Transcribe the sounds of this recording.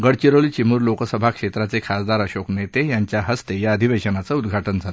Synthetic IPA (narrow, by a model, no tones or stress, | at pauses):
ɡəɽt͡ɕiɾəɭit͡ɕimuːɾlokəsəbʱakʂet̪ɾat͡sekʰasd̪aɾəɕoknet̪ejaɲt͡ɕjaɦəst̪ejaəd̪ʱiʋeɕənat͡səud̪ɡʱaʈənd͡zʱat̪o̥